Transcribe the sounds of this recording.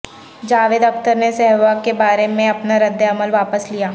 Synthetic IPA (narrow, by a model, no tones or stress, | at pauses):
d͡ʒaːʋeːd̪ɐkt̪əɾnesɛɦʋaːkkːebaːɾemẽɐpnaɾɐd̪ːəɐməlʋaːpəslijaː